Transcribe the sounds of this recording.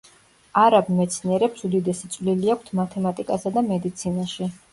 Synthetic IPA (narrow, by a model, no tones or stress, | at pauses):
aɾabmɛt̪sʰniɛɾɛpsud̪id̪ɛsit̪sʼvliliakʷʰt̪ʰmat̪ʰɛmat̪ʼikʼasad̪amɛd̪it̪sʰinaʃi